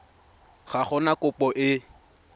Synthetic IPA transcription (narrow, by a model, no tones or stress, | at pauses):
χaχɔnakʊpɔʔɪ